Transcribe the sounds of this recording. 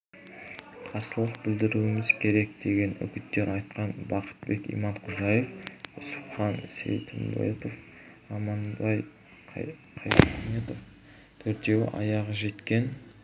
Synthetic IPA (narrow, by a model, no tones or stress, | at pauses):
qʰɑɾsəlˠəq̚bɪld̪ɪɾuwɪmɪzkʲʰe̞ɾe̞k̚d̪e̞ɡʲe̞nʏ̰kʲɪt̪ːe̞ɾʔɑjt̪qɑnbɑqʰə̥t̪̚be̞kʲḭjmɑɴqʰʊʒɑjefʊsʊpχɑnsḛwt̪ʰɪmb̪o̰t̪of | ɑmɑnɑj | qʰɑjmet̪of | t̪ʰɵɾt̪e̞wɪ̰ʔɑ̰jɑʁəʒe̞t̪kʲe̞n